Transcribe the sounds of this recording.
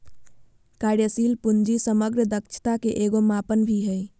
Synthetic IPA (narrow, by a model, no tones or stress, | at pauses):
kaɾjəsilpund͡ʒisəməɡɾəd̪əkt͡ʃʰə̥t̪akeʔeɡomapənbʱiɦəj